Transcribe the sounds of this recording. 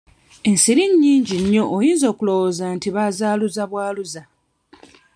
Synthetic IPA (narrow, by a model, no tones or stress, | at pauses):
e̞nsiɾiɲːiːɲɟiɲːo̞ʔːjiːnzo̞ːkulo̞wozantiβazaːluzaβwaːluza